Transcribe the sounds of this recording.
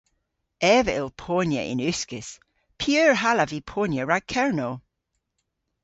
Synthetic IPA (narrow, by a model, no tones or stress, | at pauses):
ɛvəɪlˠpʰonjə̰ʔɪ̰̃nʉskəs | pʰiøːɹɦaləvipʰonjəɹaɡ̚kʰɛɹno